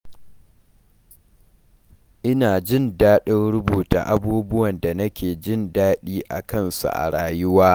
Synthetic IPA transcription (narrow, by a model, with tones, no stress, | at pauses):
ʔɪ˦naː˨d͡ʒɪ˦˨ndaː˦ɗɪ˦nɽʊ˦buː˨ta̰˨ʔa˦buː˦bʊ˦wɐ˨nda˨nɐ˦kʲeː˨d͡ʒɪ˦ndaː˦ɗiː˦ʔa̰˨kɐ˦˨nsṵ˨ʔa̰˨ɽaː˨jʊ˦waː˦